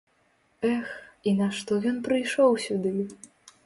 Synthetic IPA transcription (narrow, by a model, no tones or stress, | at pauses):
ɛxinaʂt̪ɔjʲɔnpɾɨjʂɔwsʲud̪ɨ